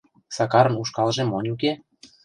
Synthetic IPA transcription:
sɑkɑɾə̆nuʃkɑlʒĕmonʲuk̬e

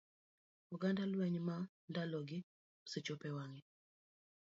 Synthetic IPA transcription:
uɡandalwɛɲma | ndalɔɡɪ | set͡ʃopɛwaŋɛ

